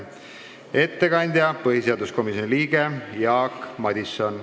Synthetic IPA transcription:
e̞t̪ːe̞kɑnʲd̪̥ʲjɑpɤhise̞ɑd̪usko̞misjo̞niliːɡ̥e̞jɑːkːmɑd̪ʲisːon

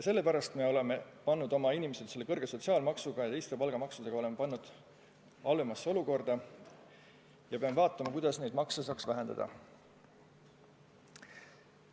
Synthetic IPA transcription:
jɑse̞lːe̞pæɾɑst̪me̞o̞le̞me̞pɑnːud̪o̞mɑinʲimesed̪se̞lːe̞kɤrɡ̥e̞so̞t̪ʲsiɑːlmɑksuɡ̥ɑjɑt̪e̞jst̪e̞pɑlɡ̥ɑmɑksud̪̥e̞ɡ̥ɑo̞lemepɑnːud̪̥ | ɑlvemɑsːo̞luko̞rd̪̥ɑ | jɑpeɑmevɑːt̪ːˑɑmɑkujd̪̥ɑsne̞jd̪̚mɑksɑsɑksvæɦe̞nd̪ɑ̰d̪̥ɑ̰

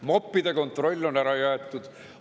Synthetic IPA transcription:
mo̞pːid̪̥e̞ko̞nt̪ˑro̞lʲːo̞næɾɑjæet̪ːˑud̪̥

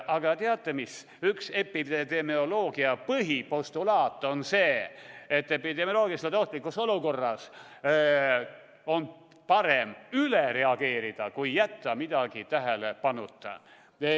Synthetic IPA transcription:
ʔɑɡ̥ɑt̪eɑt̪ːemis | ykse̞pi̥ed̪emio̞lo̞ːɡ̥iɑpɤɦipo̞st̪ulɑːt̪ːˑonse̞ːet̪ːepid̪̥emiolo̞ːɡiselt̪o̞ht̪ˑlikːˑuso̞luko̞rːɑs | o̞n | pɑɾemyleɾe̞ɑɡ̥e̞ːɾid̪̥ɑkujːæt̪ːɑmid̪̥ɑɡ̥it̪æɦælepɑnːut̪ːɑ̰

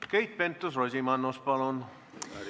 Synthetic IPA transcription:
keit̪̚pent̪ːosrozimɑnːospɑlon

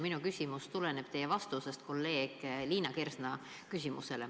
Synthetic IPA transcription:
minukysʲimust̪ulene̞b̥t̪e̞jevɑst̪usest̪̚ko̞lːe̞ːɡ̥liːnɑkersnɑ | kysʲimṵse̞le

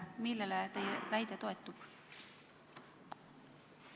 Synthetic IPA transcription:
milːelet̪ejvæjd̪et̪o̞e̞t̪ːˑub̥

